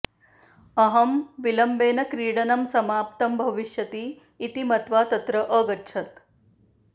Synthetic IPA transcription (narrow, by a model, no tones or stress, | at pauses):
ɐɦɐmʋilɐmbeːnɐkɾiːɽɐnɐmsɐmaːp̚t̪ɐmbʱɐʋiʃjɐt̪iː | t̪imɐt̪ʋaːt̪ɐt̪ɾɐʔəɡɐtːʃʰɐt̪